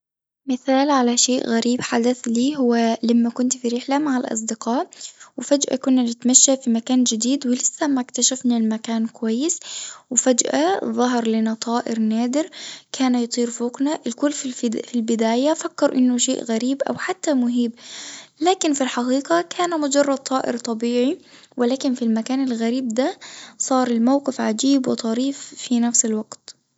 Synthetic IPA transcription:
mɪθaːlʕalaʃeːʔɣaɾiːbħad̪aθliːɦʊwːalamːakʊnt̪fiɾɪħlamaʕalʔɑ̰s̬ˤd̪ɪqɑːʔwɪfad͡ʒʔa̰kʊnːanɪt̪maʃːafimakaːnd͡ʒɪd̪iːd̪wɪlɪsːamakt̪aʃafnalmakaːnkʊwajːɪswɪfad͡ʒʔaðˤɑɦɾˤlɪnat̪ˤʰɑːʔɪɾnaːd̪ɪɾkʰaːnajɑt̪ˤiːɾfuoːqnaʔɪlkʊlːfilbɪd̪aːjafakːɑɾˤʔɪnːʊʃḛːʔɣaɾiːbʔa̰wħat̪ːamʊɦiːblaːkɪnfilħɑqiːqɑkʰaːnmʊd͡ʒɑrˤːɑd̪̚t̪ˤːɑːʔɪ̰ɾt̪ˤɑbiːʕi | wʔɪlaːkɪnfilmakaːnalɣaɾiːb̚d̪asˤɑːɾˤɪlmawqɪfʕad͡ʒiːbwɪt̪ˤɑɾiːfːinafsɪlwɑɡt̪

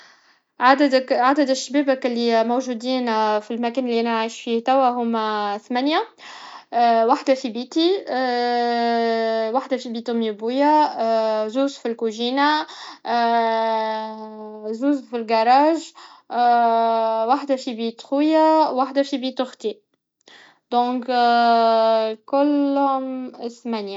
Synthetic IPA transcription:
ʕad̪æd̪kʕad̪æd̪æʃːabɛːbækɪlːimowʒuːd̪iːnfilmækɛːnlːiʔænæʕajʃfiːht̪æwæɦʊmθmænja | waħd̪afibiːt̪i | waħd̪afibit̪ʊmibuja | zuːzfilkuʒiːna | zuːzfilɡɑɾˤɑːʒ | waħd̪æfibiːt̪xujawaħd̪æfibit̪ʊxt̪i | d̪ɔ̃ːk | kʊlːhʊmθmænja

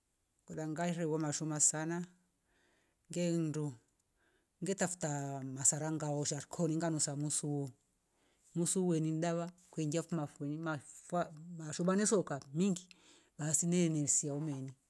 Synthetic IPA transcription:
kudaŋɡaiɾɛwɔmaʃumasana | ŋɡɛn̩du | ŋɡɛtafu̥tamasaɾaŋɡaɔʃaɾkʰɔniŋɡanusamusuwɔ | musuwɛnindaβakwɛŋɡiafumafɛnimafamaʃumanɛsɔkamiŋɡi | ɓasinɛnɛsiaumɛni

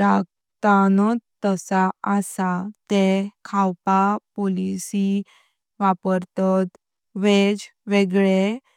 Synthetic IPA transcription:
ɾaɡ̚ | t̪anɔtt̪ːəsaəsat̪ekʰawpapolisi | ʋapəɾt̪ɔt̪ | ʋed͡zʋeɡɭe

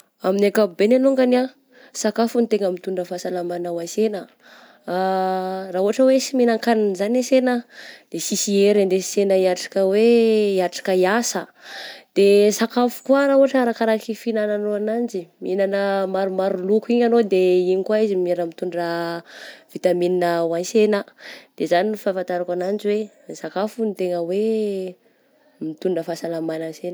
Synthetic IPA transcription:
aminakaubenanoŋɡana | sakafunit̪eŋəmit̪uɳɖ͡ʐəfasalamanawasenə | raɦuɦaʈ͡ʂəwesimenaŋkaninzanesenəd̪̥esisieɾand̪esenəiaʈ͡ʂḁkəweiaʈ͡ʂḁkəiasəd̪̥esakafu̥kuaɾauaʈ͡ʂəɾakaɾakifinananoanand͡ʒiminanəmaɾumaɾulukuiɲanod̪eiɲikwaizimieɾəmit̪uɳɖ͡ʐə | v̥it̪amininəwansenəd̪̥ezaninifafant̪aɾakanand͡ʒiwe | sakafunit̪eŋəwe | mit̪uɳɖ͡ʐəfasalamanənsen

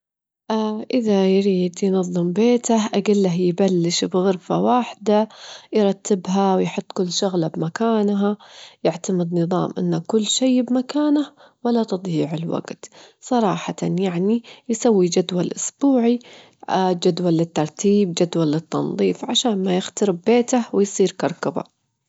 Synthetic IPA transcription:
ʔaʔɪðajɾiːd̪jnɑðˤːɨmbeːt̪ahʔaɡɪlːaɦjbalːɪʃbɣɨɾˤfawaːħd̪ajɾˤɑt̪ːɪbɦawjħʊt̪ˤːkʊlːʃʊɣlabmakaːnɦajɪʕt̪amɪd̪nɨðˤɑ̰ːmʔɪ̰nːakʊlːʃeːbmakaːnah | walːat̪ɨd̪ˤjiːʕɪlwa̰ɡt̪sˤɑɾˤɑːħɑt̪anjaʕnijsawːid͡ʒad̪walʔʊsb̥uːʕi | d͡ʒad̪walːɪt̪ːɑɾˤt̪ʰiːb̚d͡ʒad̪walːɪt̪ːɑnðˤiːfʕaʃaːnmajɪxt̪ɑɾɪbːeːt̪ahwɪjsˤiːɾkɑɾˤkaba̰

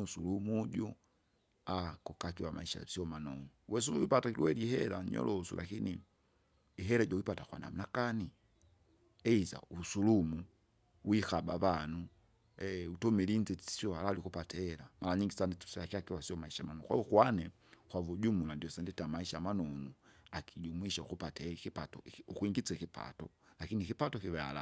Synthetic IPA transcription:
usulumuɟu | akɔkakiwamʔa̰iʃa̰siɔmanɔnuwɛsuuwipatakiliwɛlihɛlaɲɔ̰lɔsṵlʔa̰kini | iɦɛɾaɟɔwipatakwa̰na̰m̩nakani | ɛiza̰usulumu | wixabaβanu | ɛutɔmilinzɛ̥siɔhalalikupatɛɛlamʔalaɲiŋɡisanditsakiakiwasiɔmaiʃamanɔwa̰ukwanɛ | kwavuɟumulandiɔsɛndɛtamaiʃamanɔnuakʰiɟumwiʃaṵkupatakipatɔukwiŋɡit͡sɛkipa̰tɔ̰lakinikipatɔkiβɛa̰la̰

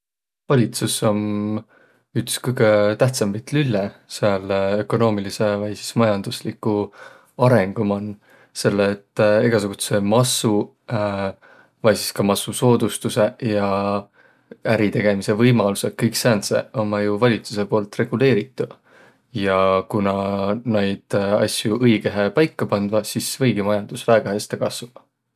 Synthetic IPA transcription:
vɑlʲit̪suso̞m | ykskɤjɡ̥e̞t̪æht̪sɑmpit̪lylːeseɑlø̞ko̞no̞ːmilise̞vɑjsi̥smɑjɑnd̪̥uslikˑːu | ɑɾe̞ŋɡ̥umɑnː | se̞lːeːt̪ːˑeɡ̥ɑsoɡ̥ut̪se̞mɑsu | vɑjsiskɑmɑsuso̞ːd̪ust̪use̞jɑ | æɾit̪e̞ɡ̥e̞mise̞vɤjmɑlusekːɤjksæːnsḛomːɑjuvɑlʲit̪su̥se̞po̞ːlt̪re̞ɡ̥ule̞ːɾit̪ːˑu | jɑkunɑnejd̪̥ɑ̰sjuʔɤjɡ̥eɦepɑjkːɑpɑnd̪vɑsisvɤjɡ̥imɑjɑnd̪̥usvæːɡ̥ɑhest̪ekɑsvu̥ɑ

